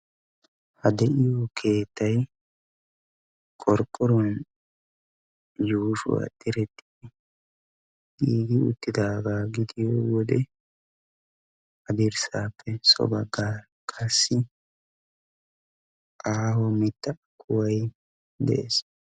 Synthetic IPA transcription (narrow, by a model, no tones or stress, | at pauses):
hɐd̪ɛʔɪjɔkʰe̞ːt̪ːɐj | kʼɔɾkʼːɔɾɔn | juːʃʊ̰wɐ̰t̪ʼɪɾɛt̪ːɪ̥ɛ | iːɡɪʊt̪ːɪd̪aːɡaːɡɪd̪ɪjɔwɔd̪ɛ | ɐd̪ɪɾsaːpːɛsɔ̰bɐɡa | kʰʼɐsːɪ | ʔaːhɔmɪt̪ːɐkʰːʊwɐj | d̪ɛʔḛːs